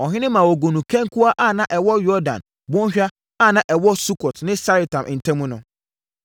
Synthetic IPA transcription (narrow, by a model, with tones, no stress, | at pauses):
ɔ˨ɦɪ̃˦nɪ̃˦mã˨wɔ˨ɡo˨nũ˨kʰɛ̃˦ŋkʰu˦a˦ʔa˦˨nã˦ʔɛ˨wɔ˦jɔ˦dã̰˨n | bɔ̃˦n˦ɕᶣa˦ | a˦˨nã˦ʔɛ˨wɔ˦su˦kʰɔ˨tnɪ̃˦sa˦ɾi˨tʰã˨mʔɪ˨n̩˨tʰɛ̃˦mũ˦nʊ̃˨